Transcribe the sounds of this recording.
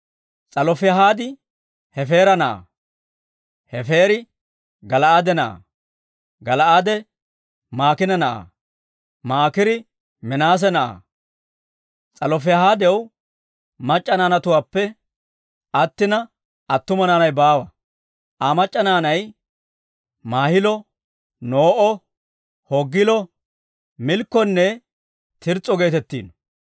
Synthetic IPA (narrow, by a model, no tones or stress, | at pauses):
t͡sʼɐlɔfɛɦaːd̪ɪ | hɛfe̞ːɾɐnɐʔa̰ | hɛfe̞ːɾɪ | ɡɐlɐʔad̪ɛnɐʔa̰ | ɡɐlɐʔaːd̪ɛ | maːkɪnɐnɐʔa̰ | maːkɪɾɪ | mɛnaːs̬ɛnɐʔa̰ | t͡sʼɐlɔfɛɦaːd̪ɛw | mɐt͡ʃʼːɐnaːnɐt̪ʊwaːpːɛ | ʔɐt̪ːɪnɐ | ʔɐt̪ːʊmɐnaːnɐjbaːwɐ | ʔamɐt͡ʃʼːɐnaːnɐj | maːhɪlɔ | noːʔɔ | hɔɡːɪlɔ | mɪlkːɔnːɛ | t̪ɪɾt͡sʼːɔɡe̞ːt̪ɛt̪ːḭːn